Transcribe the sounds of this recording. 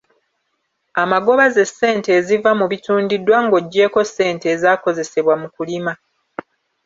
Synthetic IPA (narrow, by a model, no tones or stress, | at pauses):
amaɡo̞βaze̞sːe̞ːnte̞ːzivamuβituːndidwaŋɡo̞ɟːe̞ːko̞sːe̞ːnte̞ːzaːko̞ze̞se̞βwamukulima